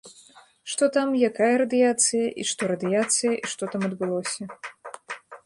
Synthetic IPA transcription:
ʂt̪ɔt̪amjakajɐɾɐd̪ɨjat̪sɨjɐʔḭʂt̪ɔɾɐd̪ɨjat̪sɨjɐʔiʂt̪ɔt̪amɐd̪bɨlˠɔsʲɐ

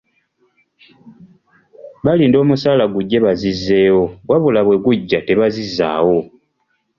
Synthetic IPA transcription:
βaliːndo̞ːmusaːlaɡuɟːe̞βazizːe̞ːwo̞waβulaβwe̞ɡuɟːate̞βazizːa̰ːwo̞

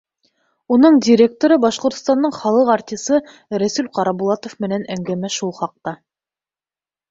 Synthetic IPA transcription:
unɤɴdʲɪɾʲek̚t̪oɾɤbɑʃqŏɾt̪ŏst̪ɑnd̪ɤɴχɑlˠɤqart̪ʲisɤ | ɾæsʉlqɑɾɑbulˠɑt̪ofmɘ̆nænæŋɡæmæʃulˠχɑq̚t̪ɑ

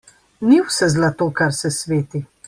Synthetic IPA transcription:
niwsɛzlat̪oːkaɾsɛsʋeːt̪i

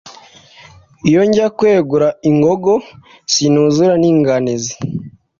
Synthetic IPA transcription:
ijoɲɟakwe̞ːɡuɾaiŋɡoɡo | sinuzuɾaniːŋɡaniza

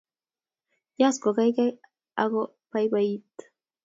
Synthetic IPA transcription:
jaskokajkaj | aɣo | pajbait̪

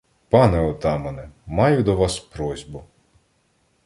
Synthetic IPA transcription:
pɑnɛɔt̪ɑmɐnɛmɑjʊd̪ɔʋɑspɾɔzʲbʊ

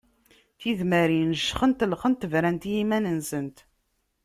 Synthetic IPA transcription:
θiðməɾinəʒːχənt̪əlχənt̪ːvɾænt̪jimænənsənt̪

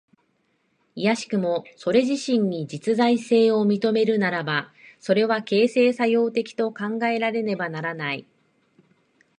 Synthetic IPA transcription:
ijaɕi̥kɯ̟mo̞so̞ɾe̞ʑiɕĩɲ̟ɲid͡ʑit͡sɨzaise̞ːo̞mʲit̪o̞me̞ɾɯ̟naɾabaso̞ɾe̞βake̞ːse̞ːsajo̞ːt̪e̞kʲi̥t̪o̞kãŋɡae̞ɾaɾe̞ne̞banaɾanai

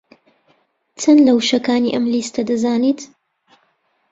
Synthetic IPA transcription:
t͡sɐnlɐwʃɐkaːnḭʔɐmliːst̪ɐd̪ɐzaːniːt̪

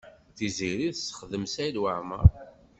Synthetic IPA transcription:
θiziɾiðsə̥χðəmsælwaʕmə̰ɾˤ

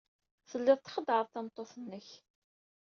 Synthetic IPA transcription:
θəlːɪðˤt̪ːχəd̪ʕəðˤt̪ɑmt̪ˤːoθənːəç

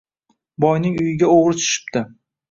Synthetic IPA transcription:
bɒjnɪŋʊjɪɡʲaoʁɾɪt͡ʃ̪ʰʊ̥ʃɪ̥pd̪ɪ

